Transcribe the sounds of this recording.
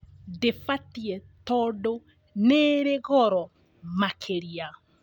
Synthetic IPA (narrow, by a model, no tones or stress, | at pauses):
defatiɛt̪ɔdo | neɾeɣɔɾɔ | makʰeɾia